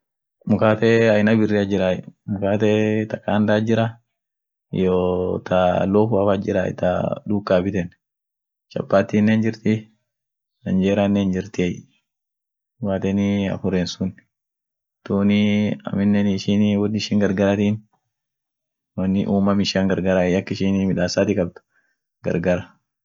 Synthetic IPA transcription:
mʊkaːt̪ɛɐjnɐbɪrːɪɐd͡ʒɪɾaːjɛmʊkaːt̪ɛt̪ɐkːaːnd̪aːd͡ʒɪɾɐ | joːt̪ɐloːfʊɐfad͡ʒɪɾa̰ɪ̰t̪ɐ̰d̪uːkʼːaːbɪt̪ɛn | t͡ʃɐ̰pːaːt̪ːiːnːeːnd͡ʒɪɾt̪ɪ | nɐnd͡ʒeːɾanːeːnd͡ʒɪɾt̪ɪj | waːt̪ɛnɪɐ̰fʊɾeːnsʊn | t̪uːnɪɐ̰mɪnːɛnːʃɪnwɐnːɪʃɪːŋɡɐɾɡɐɾɐt̪iːn | wɐnːɪ̰ʔuːmɐmɪʃaːŋɡɐɾɡɐɾajɐkːɪʃiːnmɪᶑaːsaːt̪ɪkʼɐb̚t̪ʊ̥ | ɡ̥ɐ̰ɾɡɐɾɐ

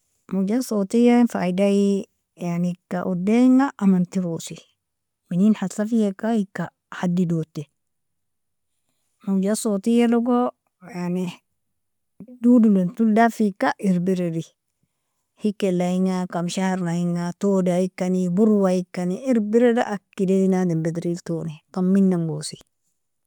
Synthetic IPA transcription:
mud͡ʒasotijanfaidai | janikaʔodeŋaʔːmant̪iɾosi | mininhasafijekaikːa | hadːidotːe | mad͡ʒasot̪ijaloɡo | jani | dudulentuldafikːaʔiɾbiɾedi | hikːelaiŋakamʃahaɾnaiŋatodajikːanibuɾwajikːaniiɾbiɾeda̰ʔakːideinadembedɾiltonikamːinːaŋɡosi̥

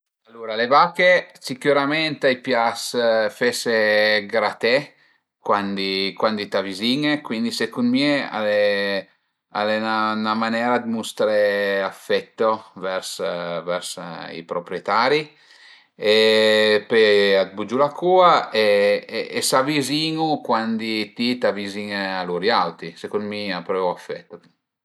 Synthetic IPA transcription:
alːuɾalevakesikuɾamɛnt̪ajpjasfeseɡɾat̪ɛ | kwand̪ikwand̪it̪aviziŋekwind̪isekunmiea̰le | a̰lenanamanɛːɾad̪must̪ɾeafːɛt̪ːovɛɾsvɛɾsḭpɾopɾjet̪aːɾi | epead̪̚bud͡ʒulakuːaeː | saviziːŋukwand̪it̪it̪aviziŋaluɾjawt̪isekund̪miapɾɛafːɛ̰t̪ːok

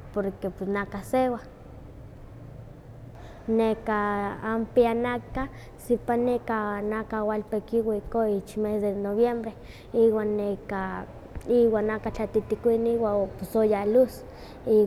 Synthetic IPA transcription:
poɾkepesnakasewa | nekaːmpianaka | sipanekanakawalpekiwikoit͡ʃmesd̪enoβjembɾe | iwanːeka | iwanakat͡ɬat̪it̪ikʷiniwaoposojalus | i

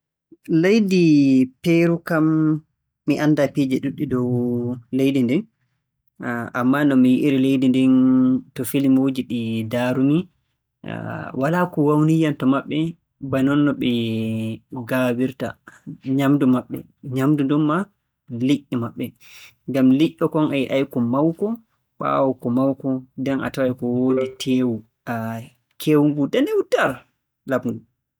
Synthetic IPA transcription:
lejdipeɾukamː | iʔandapid͡ʒɛɗuɗːidɔwlejdindɛn | ʔamːanɔmijiʔiɾilejdindɛntɔfilimod͡ʒiɗidaːɾumḭ | walakɔwawnijantɔmaɓːɛ | banɔnːɔɓɛ | ɡabiɾta̰ɲamdumaɓːɛ̰ | ɲamdudumːa | liʔːimaɓːɛ | ŋɡamliʔːɔkɔnʔajʔajkɔmawkɔ | ɓa̰ːwɔkɔmawkɔdɛnʔa̰tawajkɔwoːditʰeːwu | a | kʰewuŋɡudanɛwutaɾ | labŋɡu

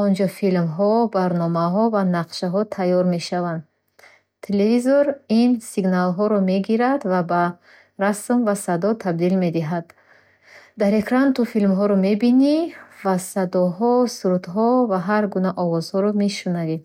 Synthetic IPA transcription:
ɔnd͡ʒɔfilmɦɔbaɾnɔmaɦɔvanaqʃaɦɔt̪ʰajɔɾme̞ʃavand̪ | t̪ʰːelevizoɾinsiɡnalɦɔɾɔme̞ɡiɾad̪vaba | ɾasmvasad̪ɔt̪ʰab̚d̪ilme̞d̪iɦad̪ | d̪aɾe̞kʰɾant̪ʰufilmɦɔɾɔme̞binivasad̪ɔɦɔsuɾut̪ɦɔvaɦaɾɡunaʔɔvɔz̥hɔɾɔmeʃunavid̪

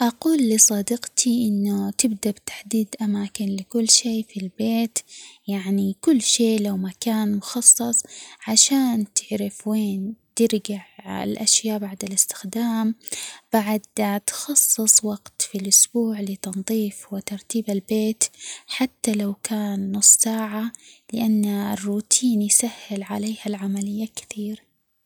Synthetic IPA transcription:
ʔɑquːlːɪsˤɑːd̪ɪqt̪ʰiʔɪnːʊt̪ɪbd̪abt̪ḁħd̪iːd̪ʔamaːkɪnlɪkʊlːʃeːfilbeːt̪jaʕnikʊlːʃeːlawmakaːnmʊxɑsˤːɑsˤʕaʃaːnt̪ɪʕɾɪfweːnt̪ɪɾɡaʕɪ̰lʔaʃjaːʔbaʕd̪alɪst̪ɪ̥xd̪aːmb̥aʕad̪̚t̪xɑsˤːɨsˤwɑɡt̪filʔʊsbuːʕlɪt̪ɑnðˤiːfwɪt̪ɑɾˤt̪iːbalbeːt̪ħat̪ːalawkaːnːʊsˤːsaːʕalɪʔanːaɪrːuːt̪ʰiːnjsahːɪlʕaleːhalʕamalɪjːakɪ̥θiːɾ

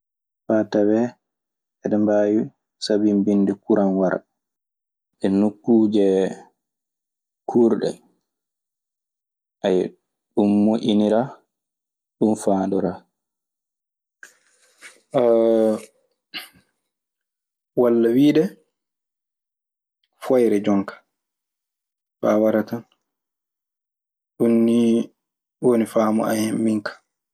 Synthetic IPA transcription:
fatawɛ | ʔɛɗɛmbaːju | sabimbinːdɛkuɾʔanwaɾ | ʔɛnukːuːd͡ʒɛ | kʰuːɾɗɛ̰ | ʔaj | ɗumːuʔiniɾa | ɗumfaːndɔɾa | walːawiːɗɛ | fɔjɾɛd͡ʒɔŋkʰḁ | ɓawaɾatan | ɗunːi | wonifaːmɔ̰a̰hemːiŋkʰḁ

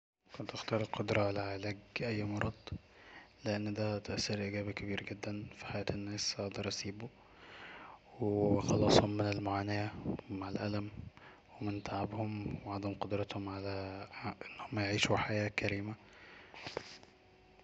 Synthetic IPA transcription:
kont̪ʔext̪ɑːɾˤelqod̪ɾˤɑʕalæʕelæːɡʔæjːmɑɾˤɑd̪ˤ | leʔɪnːd̪æt̪æʔsːɑɾʔiɡæːbikæbiːɾɡɪd̪ːænfi̥ħajæːt̪enːæːsɑʔd̪ɑɾˤʔɑsiːbu | wexɑlɑːsˤhomːɪnelmoʕaːnæjæmaʕalʔæ̰læm | wemɪnt̪aʕabhomweʕɑd̪ˤæmqod̪ɾˤɑt̪homʕalæʔenːhomːæjeʕiːʃuħajæːkæɾiːmæ

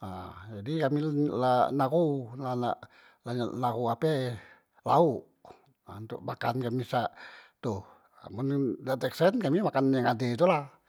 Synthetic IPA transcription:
ad͡ʒadikamilanaɣunana̰ʔ | laɲanaɣuapɛ | lauʔ | aunt̪uʔmakankamisaʔt̪u | a̰mundat̪ɛksɛnkamimakanjaŋadet̪̬ulah

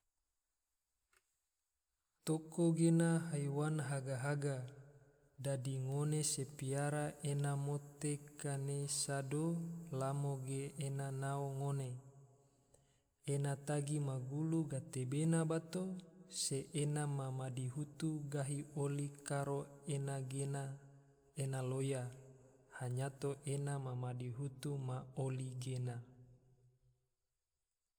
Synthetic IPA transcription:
t̪okoɡenaɦajwanɦaɡaɦaɡa | dadiŋonesepiaɾaʔenamot̪ekanesadolamoɡeʔːnanaoŋone | enat̪aɡimaɡuluɡat̪ebenabat̪oseʔenamamadiɦut̪uɡaɦiolikaɾoenaɡena | enaloja | haɲat̪oʔenamamadiɦut̪umaoliɡena

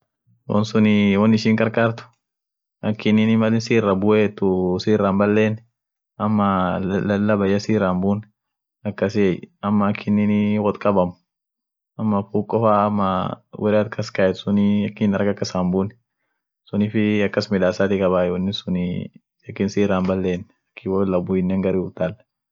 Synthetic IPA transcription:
wɔ̰nsʊnɪwɔnːɪʃiːŋkʼɐɾkʼaːɾt̪ʊ̥ | ʔɐkʰːɪnːɪnɪmɐlɪnsiːrːɐbʊʔeːt̪ːʊsiːrːaːmbɐlːeːnː | ɐmːɐɐlːɐbɐjːɐsiːrːaːmbuːn | ɐkːɐsɪɛjɐmːɐɐkʰːɪnːɪnɪwɔt̪kʼɐbɐmʊ | ɐmːɐfuːkʼɔfaːmːɐwʔɛɾɐt̪̚kʰːɐskɐɛt̪sʊniɐkːɪnɐɾɡɐkːɐsaːmbuːn | sʊniːfɪɐkːɐsmɪᶑ̪aːsaːt̪ɪkʼɐbaːjonːɪsʊni | ɐkːɪnsiːɾaːmbɐlːeːn | ɐkʰːɪwɔlːɐbʊɪnːeːŋɡɐɾiʊt̪ːaːl

